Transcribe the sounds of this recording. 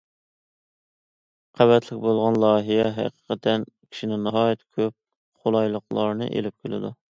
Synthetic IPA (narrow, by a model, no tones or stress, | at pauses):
qʰæbɛt̪ʰlɪkʲbolˠʁɑnlˠɑːɦijɛɦæ̰qə̥qʰət̪ʰɛn | kʲʰi̥ʃinɪŋnɑɦɑːjɛt̪ʰkʲʰøp̚ | χolˠɑjlˠəqlˠɑɾnɨ̰ʔḛlɪp̚kʲʰilɪd̪u